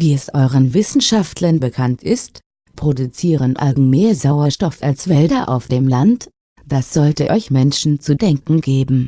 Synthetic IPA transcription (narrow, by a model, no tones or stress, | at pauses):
viːɛsʔɔʏʁənvɪsn̩ʃaftʰlɐnbəkʰantʰɪst | pʁ̥odut͡siːʁənʔa̰lɡŋ̩meːɐzaʊɐʃtɔfalsv̥ɛldɐʔa̰ʊfd̥eːmlant | d̥asz̥ɔltəʔɔʏçmɛnʃn̩t͡sudɛŋkŋ̩ɡeːbm̩